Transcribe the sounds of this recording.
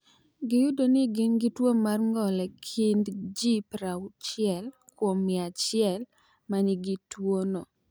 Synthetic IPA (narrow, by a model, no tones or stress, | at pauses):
ɡɪjʊdonɪɡɪnɡɪtwomarŋɡɔlɛkʰɪndd͡ʒipɾaʊt͡ʃjɛl | kwomɪat͡ʃɪɛl | maɲɪɡɪtwono